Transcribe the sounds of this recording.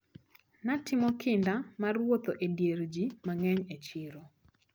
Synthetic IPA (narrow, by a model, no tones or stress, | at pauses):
natɪmɔkʰɪndamarwot̪oʔedjeɾd͡ʒimaŋɛɲet͡ʃɪɾo